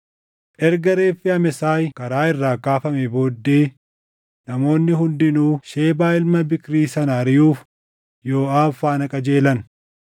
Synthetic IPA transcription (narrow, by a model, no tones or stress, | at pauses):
ʔɛɾɡɐɾeːfːɪɐmɛsaːjkɐɾaːɪrːaːkaːfɐmɛbo̞ːd̪ːeː | nɐmo̞ːnːɪhʊnd̪ɪnuːʃe̞ːbaːɪlmɐbɪkɾiːsɐnɐːɾɪjuːf | jo̞ːaːfaːnɐkʼɐd͡ʒe̞ːlɐn